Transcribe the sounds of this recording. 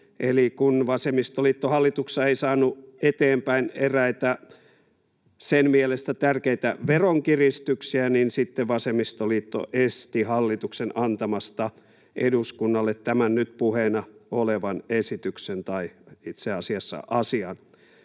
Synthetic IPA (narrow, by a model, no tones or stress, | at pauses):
ʔelikunʋɑsemist̪oliːt̪ːohɑlːit̪uksːɑeisɑːnːuet̪eːmpæineræit̪æ | senmielest̪æt̪ærkeit̪æʋeroŋkirist̪yksiæninsit̪ːeʋɑsemist̪oliːt̪ːo̰ʔest̪ihɑlːit̪uksenɑnt̪ɑmɑst̪ɑ | ʔḛduskunːɑlːet̪tːæmænnyt̪puhenɑoleʋɑnesit̪yksent̪ɑiit̪seɑsiɑsːɑ̰ʔɑsiɑn